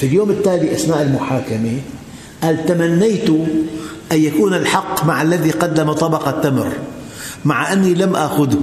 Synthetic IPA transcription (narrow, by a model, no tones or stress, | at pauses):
filjoːmɪt̪ːaːliʔasnaːʔɪlmʊħaːkame | ʔaːlt̪amanːajt̪ʊ | ʔanjakuːnɪlħɑqːmaʕalːaðiqɑd̪ːamat̪ˤɑbɑqɑt̪ːamɾ | maʕaʔanːilamʔa̰ːxʊð